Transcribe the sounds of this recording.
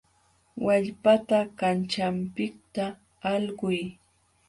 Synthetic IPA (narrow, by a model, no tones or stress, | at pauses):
waʎpat̪akant͡ʃampɪk̚t̪aː | lɢʊj